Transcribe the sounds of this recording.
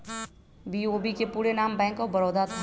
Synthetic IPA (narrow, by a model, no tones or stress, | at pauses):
biːoːbikepuːɾenaːmbɛ̃ːŋkɔbəɾoːd̪at̪ʰa